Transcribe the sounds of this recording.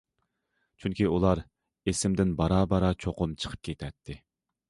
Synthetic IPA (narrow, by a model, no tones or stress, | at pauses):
t͡ʃʰyŋkʲiulˠɑɾ | esɪmd̪ɪnbɑɾɑːbɑɾɑt͡ʃʰoqʊmt͡ʃʰə̥qʰə̥p̚kʲʰet̪ʰɛt̪ʰːɪ